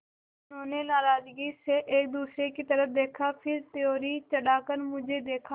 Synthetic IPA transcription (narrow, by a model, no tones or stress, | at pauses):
nõːnenaːɾaːd͡ʒɡiseʔeːk̚d̪uːsɾekit̪əɾəp̚ʰd̪eːkʰapʰɪɾt̪ɪjoːɾit͡ʃəɽaːkəɾmʊd͡ʒʱed̪eːkʰa